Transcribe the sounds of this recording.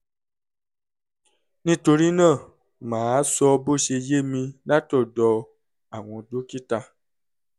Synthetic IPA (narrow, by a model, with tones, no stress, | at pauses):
nĩ˧˦to˧ɾi˦nã˦˨ | mãː˨˦sɔ˧bo˦˨ʃe˧je˦mĩ˧nã˦tɔ˦˨dɔ˧ | a˨w̃ɔ̃˨do˦ki˦ta˧